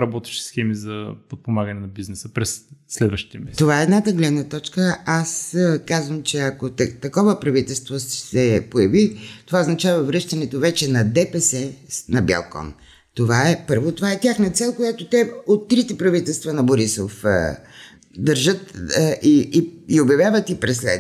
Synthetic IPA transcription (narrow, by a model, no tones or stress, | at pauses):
ɾɐbɔt̪ɛ̥ʃi̥sxɛmizɐpot̪̚pomaɡɐnɛnɐbiznɛsəpɾɛsːlɛd̪vəʃt̪i̥t̪ɛmɛt̪ovaɛːd̪nat̪əɡlɛd̪nɐt̪ɔt͡ʃkəaskazvəmt͡ʃɛɐkot̪t̪ɐkɔvəpɾɐvit̪ɛlˠst̪vossɛpojɐvit̪ovaoznɐt͡ʃavɐvɾɤʃt̪ɐnɛt̪ovɛt͡ʃɛnɐd̪ɛpɛsɛnɐba̰lˠkɔ̰n | t̪ovaɛpɤɾvot̪ovaɛt̪ʲjaxnɐt̪sɛlˠkojat̪ot̪ɛot̪ːɾit̪ɛpɾɐvit̪ɛlˠst̪vɐnɐboɾisof | d̪əɾʒət̪ʔiːiobjɐvʲjavət̪ipɾɛslɛ̰